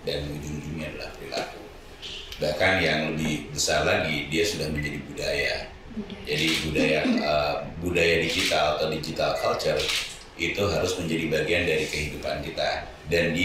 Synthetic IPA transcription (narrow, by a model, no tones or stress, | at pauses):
danwidiŋdiniadala̰hpɾila̰ku | bahkanjaŋləbɪhbəsarlaɡidiasudahməɲd͡ʒadibudaja | d͡ʒadibudajaəbudajadid͡ʒit̪alat̪awdid͡ʒit̪alkʰalt͡ʃər | it̪uɦaɾʊsməɲd͡ʒadibaɡiandaɾikəɦidupankit̪a | dandi